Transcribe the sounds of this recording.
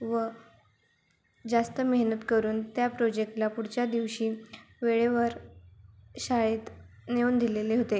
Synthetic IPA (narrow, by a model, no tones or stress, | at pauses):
ʋə | d͡zast̪əmeɦnət̪kəɾuːnt̪japɾod͡ʑek̚ʈlapuɽt͡ɕjad̪iʋɕiː | ʋeɭeʋəɾ | ɕaɭeːt̪neuːnd̪ileleɦot̪e